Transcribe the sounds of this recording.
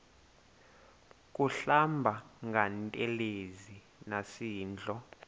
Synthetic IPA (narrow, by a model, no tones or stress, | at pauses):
k̬ʼuɬambʱaŋɡʱantʼɛlezi | nasiːnd͡ɮʱɔ